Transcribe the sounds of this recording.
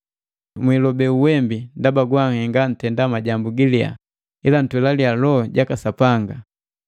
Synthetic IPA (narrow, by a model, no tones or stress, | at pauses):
mwilɔbɛuwɛmbindabaɡwaŋhɛŋɡan̩tɛndamaɟambuɡilija̰ | ilan̩twɛlalialɔɟakasapaŋɡa